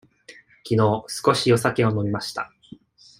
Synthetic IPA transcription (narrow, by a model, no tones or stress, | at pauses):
kʲino̞ːsɨ̥ko̞ɕijo̞sake̞o̞no̞mʲimaɕi̥t̪a̰